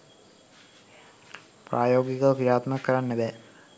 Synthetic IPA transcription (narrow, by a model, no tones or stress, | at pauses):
pɾaːjoːɡiɣɐkiɾaːt̪mɐkːɐɾanːɐʋe